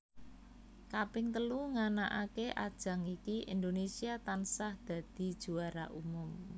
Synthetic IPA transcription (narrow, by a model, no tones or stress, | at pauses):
kapɪŋt̪əluŋanaʔakeʔa̰d̥ʒ̥ä̤ŋikiʔind̪onesiat̪ansahd̪̥a̤d̪̥i̤d̥ʒ̥ṳaɾa̰ʔumʊm